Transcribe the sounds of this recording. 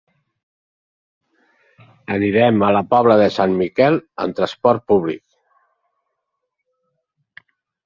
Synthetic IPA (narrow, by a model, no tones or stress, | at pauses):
əniɾɛmələpɔβləðəsanmikɛlə̰nt̪ɾəspɔɾt̪̚puβlḭk̚